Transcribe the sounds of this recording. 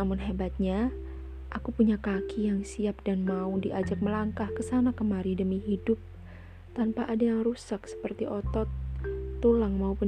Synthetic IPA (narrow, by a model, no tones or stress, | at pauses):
amʊnɦebat̪̚ɲa | ʔakupuɲakakijaŋsiap̚danmaudiʔad͡ʒak̚məlaŋkahkəsanakəmaɾidəmiɦidʊp̚ | t̪anpaʔadajaŋrusak̚sə̥pərt̪iʔɔt̪ɔt̪ːulaŋmaupun